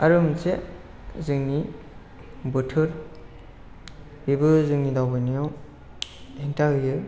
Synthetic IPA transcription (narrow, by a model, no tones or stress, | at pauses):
aɾɯmt͡seʔ | zɯŋni | bɯtʰɯɾ | bibɯzɯŋnidawbɯnijaw | eŋtaɦɯjɯ